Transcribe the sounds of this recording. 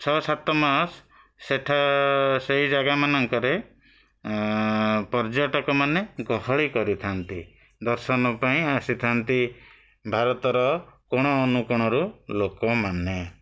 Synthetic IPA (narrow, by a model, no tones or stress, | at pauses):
t͡ʃʰɔsat̪ɔmas | seʈʰaseɦid͡ʒaɡamanɔŋkɔɾe | pɔɾd͡ʒɔʈɔkɔmaneɡɔɦɔɭikɔɾit̪ʰant̪i | d̪ɔɾsɔnɔpaĩasit̪ʰant̪i | bʱaɾɔt̪ɔɾɔkɔɽ̃ɔːnukɔɽ̃ɔɾulokɔmane